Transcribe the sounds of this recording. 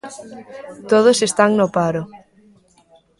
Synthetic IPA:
t̪oð̞osest̪aŋnopaɾo

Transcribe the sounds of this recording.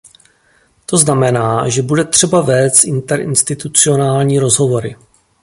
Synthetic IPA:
t̪o̞znamɛnaːʒɛbudɛt̪r̥ɛbavɛːst͡ssʔɪnt̪ɛɾʔɪ̰nst̪ɪt̪ut͡sɪo̞naːlɲiːɾo̞zɦo̞vo̞ɾɪ

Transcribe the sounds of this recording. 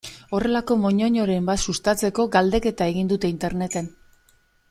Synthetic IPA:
o̞re̞lako̞mo̞ɲo̞ɲo̞ɾe̞mbat̪sust̪at͡se̞ko̞ɡald̪e̞ke̞t̪ae̞ɣind̪ut̪e̞int̪e̞ɾne̞t̪e̞n

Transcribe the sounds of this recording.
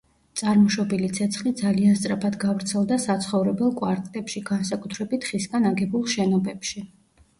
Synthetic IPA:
t̪sʼaɾmɔʃɔbilit̪sʰɛt̪sʰχlid̪zalianst̪sʼɾapʰad̪ɡavɾt̪sʰɛlˠd̪asat̪sʰχɔvɾɛbɛlˠkʼwaɾt̪ʼlɛpʃiɡansakʼut̪ʰɾɛbit̪ʰχisɡanaɡɛbulˠʃɛnɔbɛpʃi

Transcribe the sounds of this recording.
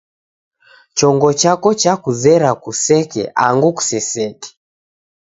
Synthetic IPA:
t͡ʃɔŋɡɔt͡ʃakɔt͡ʃakuzɛɾakusɛkɛ̰ʔaŋɡuku̥sɛsɛkɛ̥

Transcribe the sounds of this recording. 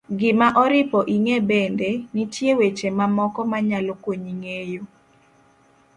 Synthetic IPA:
ɡɪmaʔɔɾɪpɔʔiŋebendenitjewet͡ʃemamɔkɔmaɲalokwoɲiŋejo

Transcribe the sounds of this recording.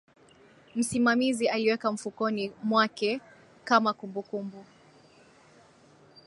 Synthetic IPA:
m̩simamizialiwɛkam̩fukɔnimwakɛ | kamakumbukumbu

